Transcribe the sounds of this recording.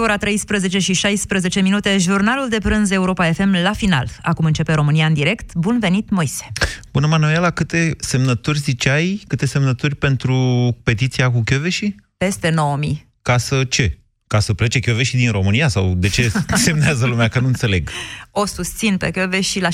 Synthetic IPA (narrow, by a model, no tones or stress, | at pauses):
oɾat̪ɾe̞jspɾəze̞t͡ʃe̞ʃiʃajspɾəze̞t͡ʃe̞minut̪e̞ʒurnaluld̪e̞pɾɨnze̞uɾo̞pae̞fe̞mlafina̰la̰kumɨnt͡ʃe̞pe̞ɾo̞mɨniaɨnd̪iɾe̞kt̪bunve̞nit̪mojse̥b̥unəmanuelakɨt̪e̞se̞mnət̪urʲzit͡ʃajkɨt̪e̞se̞mnət̪urʲpe̞nt̪ɾupe̞t̪it̪sijakukʲjoveʃipe̞st̪e̞no̞womi | kasət͡ʃe̞ | kasəplet͡ʃe̞kʲoveʃid̪inɾo̞mɨnijasa̰wd̪e̞t͡ʃe̞se̞mneazəlumeakənuɨnt̪sele̞ɡo̞sust̪sinpe̞kʲoveʃila